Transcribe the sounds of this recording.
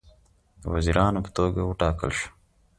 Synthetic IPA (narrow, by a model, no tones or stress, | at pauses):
wɐziɾʔɑːnopə̥t̪oːɡawuʈaːkə̰lɕu̥